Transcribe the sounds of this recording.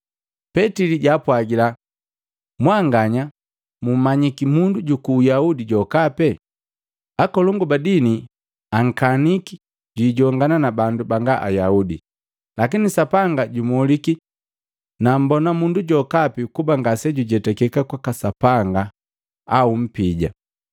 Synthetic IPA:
pɛtiliɟaːpwaɡila | mwaŋɡaɲa | mum̩maɲikimunduɟukuːjaudiɟɔkapɛ | akɔlɔŋɡubadini | aŋ̩kaniki̥ | ɟiːɟɔŋɡananabandubaŋɡaʔa̰jaudḭ | lakinisapaŋɡaɟumɔliki | nam̩bɔnamunduɟɔkapikubaŋɡasɛɟuɟɛtɛkɛkakwakasapaŋɡa | aum̩piɟa̰

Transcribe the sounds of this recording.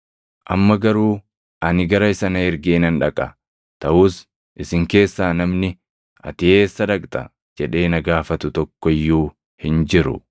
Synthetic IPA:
ʔɐ̰mːɐɡɐɾuː | ʔɐnɪɡɐɾɐɪsɐnɐɪɾɡeːnɐnᶑɐkʼɐ | t̪ɐʔuːs | ʔɪsɪŋke̞ːsːaːnɐmnɪ | ʔɐ̰t̪ɪe̞ːsːɐᶑɐkʼt̪ʼɐ | d͡ʒɛᶑe̞ːnɐɡaːfɐt̪ʊt̪ɔkːɔɪjːuː | hɪnd͡ʒɪɾʊ̰

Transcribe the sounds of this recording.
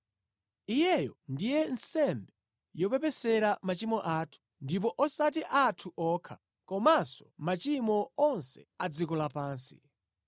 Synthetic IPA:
ijɛjɔndijɛn̩sɛmbɛ | jɔpɛpɛsɛɾamat͡ʃimɔʔaːtʰu̥ndip̬ɔʔɔsatiʔatʰuʔɔːkʰa̰ | kɔmasɔ̥mat͡ʃimɔɔnsɛ̰ad͡zikɔlapaːnsi̥̰

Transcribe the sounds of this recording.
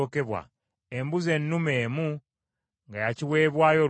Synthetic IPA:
ke̞βwa̰ | embuze̞nːume̞ːmu | ŋɡajaciwe̞ːβwaːjo̞

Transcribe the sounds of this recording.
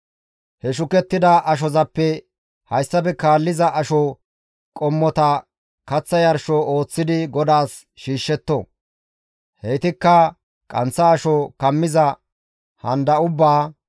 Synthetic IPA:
hɛʃʊkɛt̪ːɪd̪ɐʔɐʃ̬ɔzɐpːɛ | hɐjsːɐbɛkaːlːɪzɐʔɐʃɔ | kʼɔmːɔt̪ɐ | kɐt͡sːɐjɐɾʃɔo̞ːt͡sːɪd̪ɪɡɔd̪aːs | ʃiːʃːɛt̪ːɔ̰ | hɛjt̪ɪkːɐ | kʼɐnt͡sːɐːʃɔkɐmːɪzɐ | hɐnd̪ɐʊbːaː

